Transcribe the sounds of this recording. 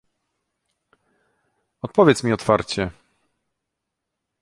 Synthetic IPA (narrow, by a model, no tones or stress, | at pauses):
ɔt̪̚pɔvʲjɛt̪smʲiɔt̪faɾt͡ɕɛ